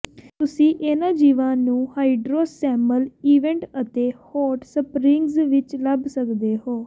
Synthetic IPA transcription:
t̪ʊsĩːʔenãːd͡ʒiːʋãːnũːhaːiɖɾoːsɛːməliːʋɛ̃ːɳʈət̪eːhɔːʈsəpɾɪŋɡzʋɪt͡ʃləbsəkd̪eːɦoː

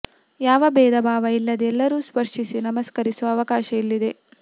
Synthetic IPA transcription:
jaːʋɐbɛːd̪ɐbʱaːʋɐilːɐd̪ɛlːɐɾuːspɐɾʂisinɐmɐskɐɾisuʋɐːʋɐkaːʃɐilːid̪e̞

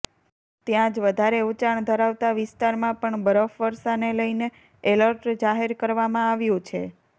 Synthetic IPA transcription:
t̪jãd͡ʒʋəd̪ʱaɾeut͡ʃaɳd̪ʱəɾaʋt̪aʋɪst̪aɾmãpəɳbəɾəfʋəɾʃaneləjne | eləɾʈd͡ʒaɦeɾkəɾʋamãaʋjũt͡ʃʰḛ

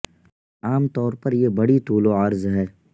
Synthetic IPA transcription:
aːmt̪ɔːɾpɐɾjebɐɽit̪uːloɐɾzɦɛː

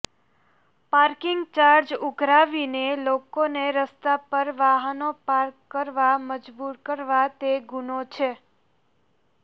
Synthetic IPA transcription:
paɾkɪŋɡ̚t͡ʃaɾd͡ʒuɡʱɾaʋinelokoneɾəst̪apəɾʋaɦənopaɾkːəɾʋaməd͡ʒbuɾkəɾʋat̪eɡunot͡ʃʰe

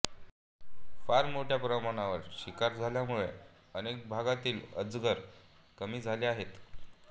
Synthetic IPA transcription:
faɾmoʈʰjapɾəmaɽ̃aʋəɾɕikaɾd͡zʱaljamuɭḛ | ənek̚bʱaɡat̪iːləd͡zɡəɾkəmiːd͡zʱaleaɦet̪

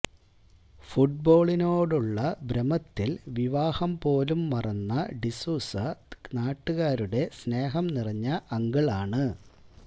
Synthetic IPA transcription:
fuʈ̚bo̞ːɭino̞ːɽuɭːɐbɾɐmɐt̪ːilʋiʋaːhɐmpo̞ːlumːɐrɐnːɐɖisuːsɐnaːʈːuɣaːɾuɽe̞sne̞ːɦɐmnirɐɲːɐʔɐŋɡɐɭaːɳɨ

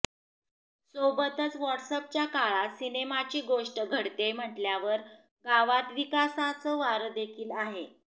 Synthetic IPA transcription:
sobət̪ət͡sʋəɾʈsəp̚t͡ɕjakaɭat̪sinemat͡ɕiːɡoʂʈəɡʱəɽt̪em̤əʈljaʋəɾ | ɡaʋat̪ʋikasãt͡səːʋaɾəd̪ekʰiːlaɦe

